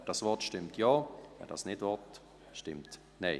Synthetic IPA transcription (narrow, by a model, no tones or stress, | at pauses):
d̥ɑsvɔtʃtɪmtjɑːvɛ̰ndɑ̰snɪdvɔt | ʃtɪmt | nɛɪ